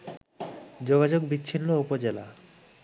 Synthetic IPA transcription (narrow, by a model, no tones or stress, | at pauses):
d͡ʑoɡad͡ʑoɡ̚bit͡ɕːʰinːoupod͡ʑela̰